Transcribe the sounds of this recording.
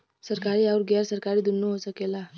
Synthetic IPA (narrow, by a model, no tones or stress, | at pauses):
səɾkaɾiːauɾɡɛɾsəɾkaɾiːd̪unːəɦosəkela